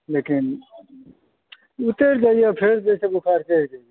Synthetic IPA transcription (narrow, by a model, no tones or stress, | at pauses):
lekin | ut̪eɾd͡ʒaijepʰeɾdesebuʈʰaɾked͡ʒaije